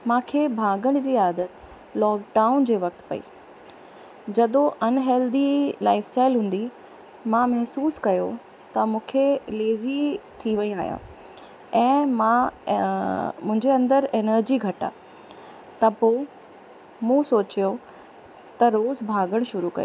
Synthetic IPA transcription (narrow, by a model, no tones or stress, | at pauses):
mãːkʰebʱaːɡəɽ̃d͡ʑiːaːd̪ət̪ | lɔːkɖaːʊnd͡ʑeːʋɐk̚t̪pɐ̰ḭː | d͡ʑɐd̪oʔɐnɦɛːld̪ilaːɪfsʈaːɪlɦũːn̆d̪i | mãmɐɦsuːskɐjo̰ | t̪ɐmũːkʰeleːzit̪ʰiʋɐĩaːɦijã̰ː | ɛ̃ːmã | mʊ̃ɦɪ̃ɲd͡ʑeɐ̃nd̪əɾeːnəɾd͡ʑiɡʱɐʈa̰ː | t̪ɐpoː | mũsoːt͡ɕijo | t̪ɐɾoːzbʱaːɡəɽ̃ʃʊɾukɐ̰jo̰ː